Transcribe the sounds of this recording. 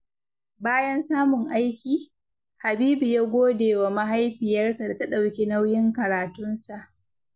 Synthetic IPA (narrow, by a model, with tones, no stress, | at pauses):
baː˦jɐ˦nsaː˦mʊ˨ŋʔa˦jkʲiː˨ | ha˨biː˦bi˨ja˦ɡʷoː˦deː˨wa˨ma˦ɦa˦jɸiː˨jɐ˦rsa˨da˨ta˦ɗa˨wkʲe˦na˦wjɪ˦ŋkɐ˨ɾaː˨tʊ˦nsa˨ʔ